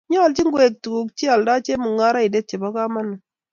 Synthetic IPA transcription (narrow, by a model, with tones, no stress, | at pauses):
ɲɔ˦˨lt͡ʃi˦ŋɡwe˨k̚tu˨ku˨k̚t͡ʃi˦a˨lda˦t͡ʃe˦mu˨ŋa˦ɾa˦i˨de˦t̚t͡ʃe˨ba˦ka˦ma˦nːa˨